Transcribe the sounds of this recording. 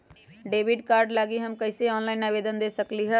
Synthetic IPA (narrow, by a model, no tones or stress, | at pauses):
ɖeːʋɪɖkaːɾɖlaːɡiɦəmkɐɪseɔːnlaːɪnabeːd̪ənd̪eːsəkliɦɛ̃